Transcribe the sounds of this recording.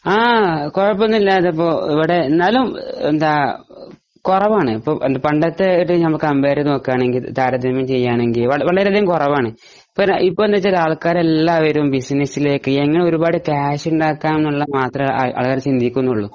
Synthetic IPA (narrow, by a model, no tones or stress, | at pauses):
aːkorɐp̬ːonːilːaːtðɐpːo̞ːiʋiɽe̞nɐlumḛnd̪aː | korɐʋaːɳɨipːoːʔend̪ɐpɐɳɖɐt̪ːeʈːɨnɐmːɐɭkɐmbeːɾɨno̞ːkːaːɳe̞ŋɡilt̪aːɾɐd̪imɐmt͡ɕe̞jːaːɳe̞ŋɡilʋɐʋɐɭɐɾɐðijumkorɐʋaːɳɨ | pːoipːond̪ɐt͡ɕːɾaːɭkaːɾelːaʋɐɾɐʋumbisnɐsileːkːɨeŋːɐɳe̞o̞ɾubaːɽɨkaːɕuɳɖaːkːaːmenːuɭːɐmaːt̪rɐmɐ̰ːɭkaːɾmt͡ɕind̪ʱikʲːunːuɭːu